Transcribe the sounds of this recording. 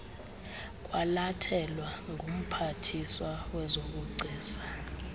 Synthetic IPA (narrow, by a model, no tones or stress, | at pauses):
kʼwalatʰɛlwaŋɡʱum̩pʰatʰiswawɛzok̬ʼuɡ͡ǀʱiːsḁ